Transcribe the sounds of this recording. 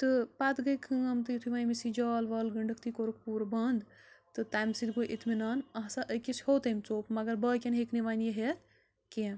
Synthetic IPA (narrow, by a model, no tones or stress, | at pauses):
t̪ɨpat̪ɡɐkʰɨɐmt̪ɨjit̪ʰuʋaːjmisid͡ʒaːlʋɐlɡəɳɖəkt̪ikoɾuk̚puɾbɐnd̪t̪ɨt̪aːjmsid̪ɡojʔit̪minaːnɐɦsaʔəjkishoːt̪ɐmt͡soːpmɐɡɐɾbəkʲenɦekniʋanjeɦet̪ | kẽ